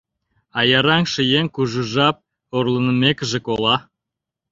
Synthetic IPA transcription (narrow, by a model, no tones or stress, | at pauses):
ɑjɑɾɑŋʃəjeŋkuʒuʒɑp̚ | orlənəmekəʒĕkolɑ